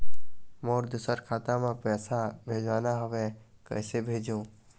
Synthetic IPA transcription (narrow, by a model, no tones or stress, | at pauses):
mɔːɾd̪ʊsəɾkʰaːt̪ãmẽpɛːsabʱeːd͡ʒwaːnaɦoːɡɛkɛ̰ːsebʱeːd͡ʒũː